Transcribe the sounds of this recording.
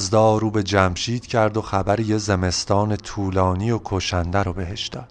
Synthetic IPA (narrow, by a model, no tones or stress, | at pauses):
zd̪ɒːɾuːbe̞d͡ʒæmʃiːd̪̥cʰæɾd̪o̞xæbæɾijezeme̞st̪ɒːne̞t̪ʰuːlɒːniokʰoʃænd̪æɾɒbe̞ɦeʃd̪ɒ̰ːd̪